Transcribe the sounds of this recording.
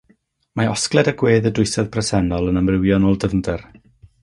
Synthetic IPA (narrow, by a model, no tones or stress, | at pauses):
maɔsklˠɛdəɡweːðədʊɨsaðpʰrɛsɛnɔlˠənəmrɪwjɔnɔːlˠdəvndɛr